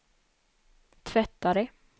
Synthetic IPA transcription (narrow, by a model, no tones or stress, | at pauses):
t̪ʰvɛt̪ːaɾɛ